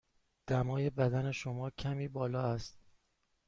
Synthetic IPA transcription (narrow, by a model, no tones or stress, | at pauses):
d̪̥æmɒːje̞bæd̪æne̞ʃo̞mɒːcʰæmiːbɒːlɒːæst̪̚